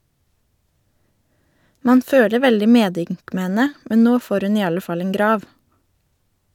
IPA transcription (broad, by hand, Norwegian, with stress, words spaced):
ˈmɑːn ˈføːlə ˈʋɛldɪ ˈmeːˌdʏŋk ˈmeː ˈhɛnə ˈmɛn ˈnoː ˈfoːɾ ˈʉn ˈiː ˈɑlə ˈfɑl ˈeːŋ ˈɡɾɑːʋ